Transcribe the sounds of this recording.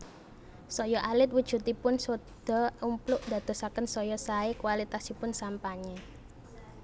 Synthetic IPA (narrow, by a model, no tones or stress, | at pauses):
sɔjɔʔalɪt̪̚wud̥ʒ̥ṳt̪ipʊnsod̪̥ɔ̤umplʊʔd̪a̤d̪̥ɔ̤sakənsɔjɔsaekuwalit̪asipʊnsampaɲɛ